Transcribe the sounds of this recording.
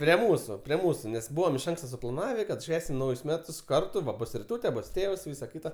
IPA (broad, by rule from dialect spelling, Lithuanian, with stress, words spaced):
pʲrʲiɛ ˈmuːsʊ pʲrʲiɛ ˈmuːsʊ nʲɛs ˈbuːʋɐm ɪʃ ˈɐŋkstɐ sʊplˠɐˈnɑːʋʲeː ˈʃʲʋʲæːsʲɪm ˈnɐʊjʊs ˈmʲæːtʊs ˈkɐrtʊ ˈʋɐ ˈbʊs rʲɪˈtuːtʲɛ ˈbʊs ˈtʲeːws ˈʋʲiːsɐ ˈkʲɪtɐ